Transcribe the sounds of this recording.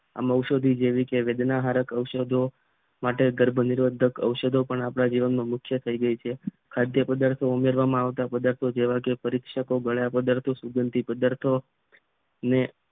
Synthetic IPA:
a̰məwʃod̪ʱid͡ʒeʋikeʋed̪naɦaɾəkəwʃəd̪ʱo | maʈeɡəɾbʱənɪɾʋəd̪ʱəkə̰wʃəd̪ʱopəɳapɳ̃ad͡ʒiʋənmãmʊkʰjət̪ʰəiɡəit͡ʃʰe | kʰad̪jəpəd̪aɾt̪ʰoumeɾʋamãaʋt̪apəd̪aɾt̪ʰod͡ʒeʋakepəɾik̪ʃəkoɡəɭjapəd̪aɾt̪ʰosuɡənt̪ipəd̪aɾt̪ʰo | əne

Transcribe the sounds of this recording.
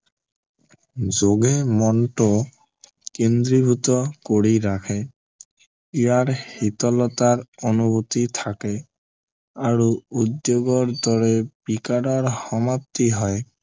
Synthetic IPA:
zoɡɛmɔnʈɔ | kend̪ɾibʱut̪ɔkoɹiɹakʰɛ | ijaɹhit̪ɔlɔtaɹonubut̪it̪ʰakɛ | aɹuud̪joɡɔɹd̪ɔɹɛbikaɾɔɹhɔmap̚t̪iɦɔj

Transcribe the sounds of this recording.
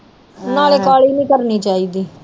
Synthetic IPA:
naːleːkaːɭiːnĩːkəɾniːt͡ʃaːiːd̪iː

